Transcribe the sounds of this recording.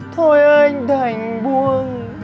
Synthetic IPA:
t̪ʰo˧jʔə˧ŋɗə˨˩ŋɓu˧əŋ

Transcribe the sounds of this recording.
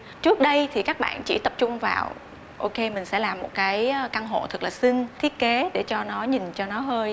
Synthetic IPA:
t͡ɕɨ˦˥ək̚ɗə˧jt̪ʰi˨˩kaː˦˥k̚ɓa̰ː˧˨nt͡ɕḭ˧˩t̪ə˨˩p̚t͡ɕʊ˧ŋ͡mva̰ː˨˩w | ʔo˧ke˧mï˨˩ŋ̟sɛ̰˧˥laː˨˩mːo˨˩t̚kaː˨˦jka˧nɦo̰˧˨nt̪ʰɨ˨˩k̚laː˨˩sï˧ŋt̪ʰi˦˥ət̚ke˨˦ɗe˧˩t͡ɕɔ˧nɔ˨˦ɲi˨˩nt͡ɕɔ˧nɔ˨˦ɦəː˧j

